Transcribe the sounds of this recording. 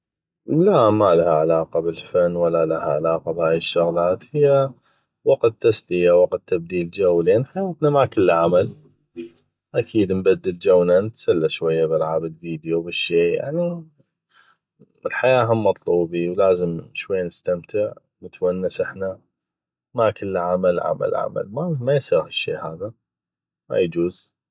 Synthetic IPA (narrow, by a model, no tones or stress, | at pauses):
lamalahaʕalaːqɑbɪlfanːwalːalahaʕalaːqabhaːjɪʃːʊɣlaːt̪hɪjːa | wɑqt̪ːaslɪjawɑqt̪ːab̚d̪iːld͡ʒawːlʔanːħajaːt̪namakɪlːʕamal | ʔakʰiːd̪mbad̪ːɪld͡ʒawnanət̪salːaʃwajːabɪlʕaːbɪlviːd̪jubɪʃːeːja̰ʕni | ɪlħajaːʔɦamːɑt̪ˤluːbiwlaːzəmʃwajːanɪst̪amt̪ʰɪʕ | mət̪wanːɪsʔɪħna | makəlːʕamalʕa̰ma̰lʕa̰ma̰lmamajsˤiːɾhɪʃːeːhaːða | ma̰jd͡ʒuːz̥